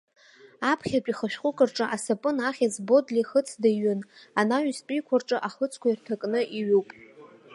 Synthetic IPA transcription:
apʰχʲapʷʼiχəʃᶣχʷʼʊkʼɨrʈ͡ʂʼɨʔasapʼɨnaχʲazbo̞dliχət͡sʰdaɥʏnanaɥspʼijkʷʰarʈ͡ʂʼɨʔaχət͡sʰkʷʰairtʰakʼnɨʔiɥupʼ

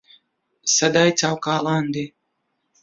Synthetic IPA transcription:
sad̪ajt̪sʲawkaːlˠand̪i

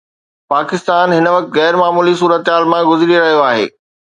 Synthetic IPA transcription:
paːkɪst̪aːnɦɪnəʋɐk̚t̪ɣɛːɾmaːmuːlis̬uːɾət̪ɦaːlmãɡʊzɾiɾɐɦijoaːɦḛː

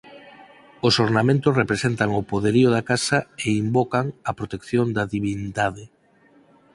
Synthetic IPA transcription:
osoɾnamẽnt̪ʊsrepɾesent̪aŋopoðeɾiʊðakasɐeimbokaŋɐpɾot̪ekθjond̪ɐðiβind̪aðe

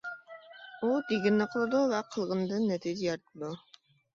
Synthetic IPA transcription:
ud̪eɡʲɪnːɪqʰəlˠɨd̪uvɛqʰəlˠʁənd̪ɨnːɛt̪ʰid͡ʒɪjɑɾt̪ʰɨd̪u

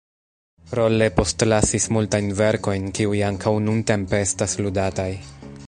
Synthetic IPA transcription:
ɾo̞le̞po̞stlasismultajnve̞ɾko̞jnkiujaŋkʰawnunte̞mpe̞estasludataj

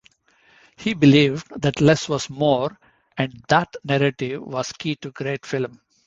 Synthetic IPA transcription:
hiːbɪliːʋɖd̪æʈlɛsʋɔzmoːɾ | æ̃ɳɖd̪æʈnæɾeʈɪʋːɔz̥kʰiːʈuɡɾeːʈfɪlm

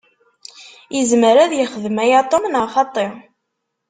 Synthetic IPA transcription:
jəzməɾæðjəχəðmæjat̪ˤomnəʁχɑt̪ˤːe

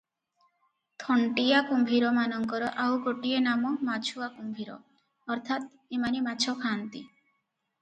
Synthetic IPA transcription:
t̪ʰɔɳʈiakumbʱiɾɔmanɔŋkɔɾɔʔawkoʈienamɔmat͡ʃʰuakumbʱiɾɔ̰ | ɔɾt̪ʰat̪ | emanimat͡ʃʰɔkʰaːnt̪i

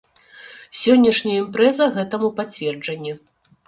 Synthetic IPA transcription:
sʲɔnʲːɐʂnʲɐjɐimpɾɛzɐɣɛt̪ɐmupat͡sʲvʲɛrd͡ʐɐnʲːi

